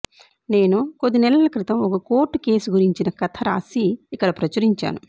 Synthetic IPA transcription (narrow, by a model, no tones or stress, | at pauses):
ne̞ːnukod̪ːinɛlɐlɐkɾit̪ɐmɔkɐkoːʈːuke̞ːsuɡuɾiɲt͡ʃinɐkɐt̪ʰɐɾaːsiːkːɐɽɐpɾɐt͡ʃɐɾiɲt͡ʃa̰ːnu